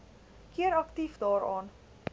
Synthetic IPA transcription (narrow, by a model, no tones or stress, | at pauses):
kiəɾɐktifdɑːɾɑːn